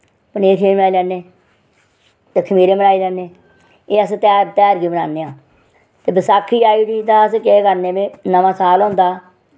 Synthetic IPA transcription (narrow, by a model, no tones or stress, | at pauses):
pəneːʈʰẽːaːiːlɛːneː | t̪ekʰəmiːɾeːmənaːiːlɛːneː | eːəst̪ɛːɾt̪ɛːɾɡiːbəna̰ːneːãː | t̪eːbɪsaːkʰːiːaːiːbiːt̪ãːəskekəɾnẽːbeːnəʋãːsaːlõːnd̪aː